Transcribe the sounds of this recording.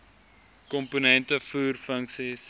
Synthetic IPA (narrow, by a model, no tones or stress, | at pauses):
kɔmpunɛntəfuːrfəŋksis